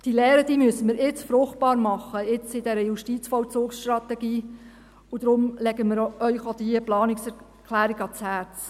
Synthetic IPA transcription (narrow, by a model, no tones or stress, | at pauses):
d̥ilɛːɾəd̥iːmyəsəmɪɾɪt͡sfɾʊχt̚b̥ɑːɾmɑχːəɪt͡sɪd̥ɛɾəjuʃtit͡sfɔlt͡suːksʃtrɑt̪ɛɡiː | ʊd̥̪ɾʊmlɛɡəməɾœʏχod̥̪iəplɑːnɪksɛ | kʰlæːɾiɡɑt͡shæːt͡s